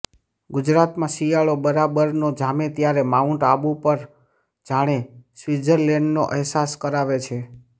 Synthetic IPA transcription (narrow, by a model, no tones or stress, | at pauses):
ɡʊd͡ʒɾat̪mãsijaɭobəɾabəɾnod͡ʒamet̪jaɾemauɳʈabupəɾ | d͡ʒaɽ̃esʋid͡ʒəɾlɛɳɖnoʔəɦsaskəɾaʋet͡ʃʰe